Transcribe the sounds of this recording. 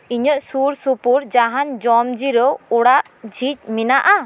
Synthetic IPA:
iɲəʔsuɾsupuɾd͡ʒaɦand͡ʒɔmd͡ʒiɾɔuɽaʔ | d͡ʒʱit͡ʃ̚minaʔa

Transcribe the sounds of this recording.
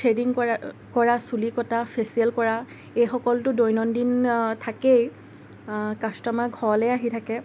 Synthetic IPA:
tʰɹediŋkɔɹasulikɔtapʰesiɛlkɔɹa | ejxɔkɔltʊdojnɔndintʰakej | kastɔmaɡʱɔlɛaɦitʰakɛ

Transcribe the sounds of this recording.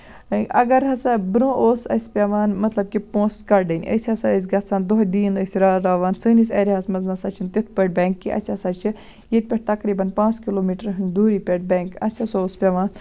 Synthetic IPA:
ɐ̰ɡɐɾɦɐsɐbɾõːʔoːsɐ̰sʲpʲeʋaːnmɐt̪lɐb̚kipõːskɐɾɖɐnʲʔə̰sʲɐsɐəs̬ʲɡɐt͡sʰaːnd̪oɦd̪iːnəsʲiɾaːɾaːʋaːnsɨːnisʲɐːɾʲiɦɐsmɐznɐsɐt͡ʃʰint̪it̪̚ʰpəʈ̚bʲɛːŋkːiʔɐ̰sʰʲɐsɐt͡ʃʰi | jet̪̚ʲpʲeʈ̚ʰt̪ɐkɾiːbɐnpãːt͡skiloːmiʈəɾɦɨnd̪uːɾiːpʲeʈ̚bʲɛːŋkɐ̰sʲʰɐsoːspʲeʋaːn

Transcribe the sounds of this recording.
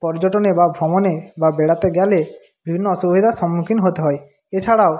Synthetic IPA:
pɔɾd͡ʒɔʈɔnebabʱɾɔmɔnebabeɽat̪eɡjale | bibʱinːɔɔsubʱid̪ʱasɔmːukʰinɔɦot̪eɦɔj | et͡ʃʰaɽaw

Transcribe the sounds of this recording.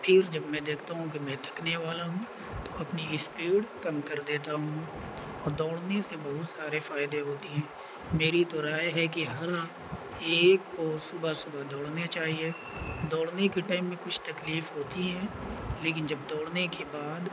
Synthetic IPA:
pʰɪɾd͡ʒɐbmɛ̃d̪eːkʰt̪aɦũk̬imɛ̃ːt̪ʰɐkneʋaːlaɦũː | t̪oɐpniɪspiːɽkɐmkɐɾd̪eːt̪aɦũ | ɔːɾd̪ɔːɽnesebɐɦʊt̪saːɾefaːɪd̪eɦoːt̪iɦɛ̃ː | meːɾit̪oɾaːjɦɛk̬iɦɐɾa | eːkːosʊbʱasʊbʱad̪ɔːɽnet͡ʃaːɦie | d̪ɔːɽnekeʈaːɪmːẽkʊt͡ʃʰt̪ɐkliːfɦoːt̪iɦɛ̃ːleːkɪnd͡ʒɐb̚d̪ɔːɽnekebaːd̪

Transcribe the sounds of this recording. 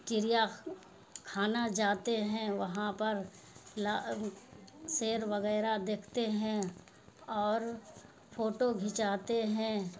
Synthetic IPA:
t͡ʃɪɾija | kʰaːnad͡ʒaːt̪eɦɛ̃ʋɐɦãpɐɾ | la | seːɾʋɐɣɛːɾad̪eːkʰt̪eɦɛ̃ | ɔːɾ | pʰoːʈoɡʱɪt͡ʃaːt̪eɦɛ̃

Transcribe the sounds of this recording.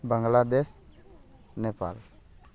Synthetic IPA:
baŋɡlad̪ɛs | nepa̰l

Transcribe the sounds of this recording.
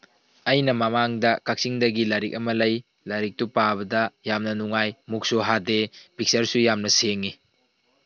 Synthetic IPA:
ɐjnɐmɐmaŋdɐkak̚siŋdɐɡilaɾik̚ɐmɐlɐj | laɾik̚tupaβɐdɐjamnɐnuŋajmuk̚soɦadepik̚sɐɾsujamnɐseŋːi

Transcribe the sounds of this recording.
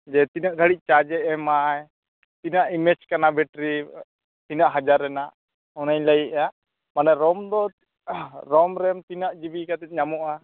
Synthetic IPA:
d͡ʒɛt̪inaʔɡ̪ʱəɽic̚ˀt͡ʃad͡ʒɛʔɛmaj | t̪inaʔimɛd͡ʒkanabʱɛʈɾi | t̪inaʔɦad͡ʒaɾːɛnaʔ | ɔnaɲləjiʔa | manaɾɔmd̪ɔ | ɾɔmɾɛmt̪inaʔd͡ʒibikat̪ɛt̪̚ɲamɔʔa

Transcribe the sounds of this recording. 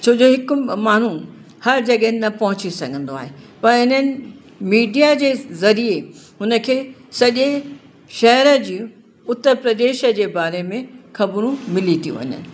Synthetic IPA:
t͡ɕʰoːd͡ʑoɦɪkʊ̆maːɳ̤ũ | hɐɾd͡ʑɐɠəɦɪnɪnɐpɐɦʊt͡ɕisɐɡʱə̃nd̪oa̰ːɦepɐɾɪnənɪ̆ | miːɖijad͡ʑeːzɐɾie | ɦʊnə̆kʰeːsɐʄe | ʃɐɦəɾə̆d͡ʑiː | ʊt̪ːəɾpɾɐd̪eːʃə̆d͡ʑeːbaːɾemẽxɐbɾũmɪlit̪ʰiṵ̃ʋɐ̰ɲə̰nɪ̆

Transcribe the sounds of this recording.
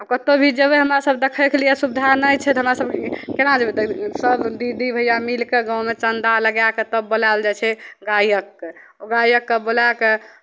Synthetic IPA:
akət̪obʱid͡ʒəbeɦəmɾasəbd̪ekʰəkelijesubd̪ʱanəjt͡ʃʰɛt̪ɔɦəmɾasəb̚kenad͡ʒebʱid̪səbd̪id̪ibʱəjamilkeɡãwmet͡ʃənd̪aləɡjaket̪əbːolald͡ʒat͡ʃʰɛɡajəkːe | oɡajəkːebolake

